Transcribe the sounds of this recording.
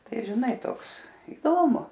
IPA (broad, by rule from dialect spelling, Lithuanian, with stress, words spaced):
ˈtɐɪ ʒʲɪˈnɐɪ ˈtoːks ɪˈdoːmʊ